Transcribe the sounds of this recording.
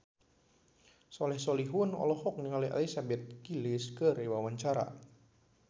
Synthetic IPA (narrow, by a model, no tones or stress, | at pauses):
sɔlɛhsɔliɦʊnɔ̰lɔhɔk̚niŋalia̰lisabɛt̪̚kilɪskəɾewawaɲt͡ʃaɾa̰